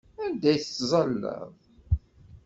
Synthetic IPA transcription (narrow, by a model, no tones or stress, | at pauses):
ænd̪æjθt͡sːzˤɑlːæ̰ðˤ